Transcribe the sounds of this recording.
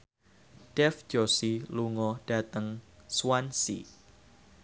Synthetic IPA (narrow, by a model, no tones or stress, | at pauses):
d̥ɛfd͡ʒ̥ɔsiluŋɔɖ̥a̤t̪əŋsuwansḭ